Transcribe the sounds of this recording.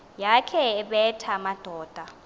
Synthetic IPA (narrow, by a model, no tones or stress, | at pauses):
jakʰɛɛɓɛtʰamad̥ʱɔːd̥ʱa